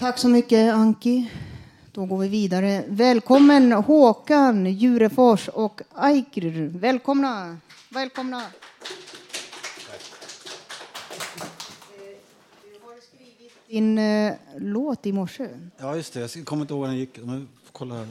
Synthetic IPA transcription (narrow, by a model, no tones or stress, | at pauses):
t̪ʰaksɔmʏkːəaŋkɪ | d̪̥ɔɡoːɾvɪviːd̪aɾəvɛːlkʰɔmːənhoːkanjʉ̟ːɾəfɔʂɔkajɡɾɾvɛːlkʰɔmna | vɛːlkʰɔmna | d̪haɾskɾiːvɪt̪̚d̪ɪn | loːt̪ɪmɔʂːəjɑːjɵst̪ɛjɑskʰɔmːɾɪnəhoːɡd̪ɛnjɪk̪ːɔm | kʰɔlːahɾ